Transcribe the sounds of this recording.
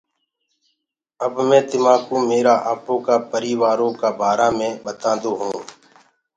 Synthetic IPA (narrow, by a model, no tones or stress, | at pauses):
əbmẽːd̪ɪmaːkuːmeːɾaːʔaːpõːkaːpəɾiːʋaːɾõːkaːbʱaːɾaːmẽːɓət̪ãːnd̪oːɦũː